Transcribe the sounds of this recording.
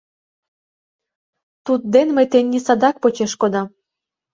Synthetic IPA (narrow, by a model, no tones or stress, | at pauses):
t̪ut̪̚d̪enmejt̪enʲːisɑd̪ɑk̚pot͡ɕeʃkod̪ɑ